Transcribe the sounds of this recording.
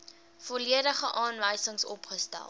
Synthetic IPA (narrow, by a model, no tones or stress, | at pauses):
fɔliədəχəʔɑːnvəjsəŋsɔ̰pχəstæ̰lˠ